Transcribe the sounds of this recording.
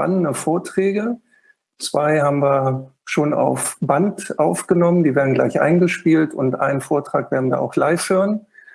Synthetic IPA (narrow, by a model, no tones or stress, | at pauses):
a̰nənəfoːɐtʁ̥ɛːɡə | t͡sv̥aɪhaːbm̩viːɐʃoːna̰ʊfb̥antʔaʊfɡ̥ənɔməndiːveːɐdn̩ɡla̰ɪçʔa̰ɪnɡəʃpiːltʊntʔa̰ɪnənfoːɐtʁ̥aːkv̥eːɐdn̩da̰ːʔa̰ʊxlaɪfhøːʁən